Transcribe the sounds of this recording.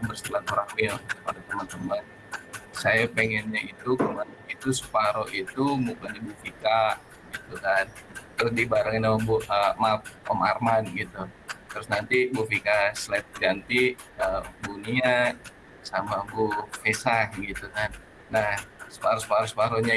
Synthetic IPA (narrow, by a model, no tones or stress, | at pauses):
bərst̪əlanoɾaŋmiopadat̪əmant̪əman | sajapeŋɛnɲait̪ukəmanait̪usə̥paɾoʔit̪umukandabufika | ɡit̪ukant̪ɾʊsdibaɾaŋinaəbuəmap̚ɔ̰ma̰rmanɡit̪u | t̪ɾʊsnant̪ibufikaslɛt̪̚d͡ʒant̪iəbunia | samabufesahɡit̪ukanː | ahsə̥paɾosə̥paɾosə̥paɾoɲa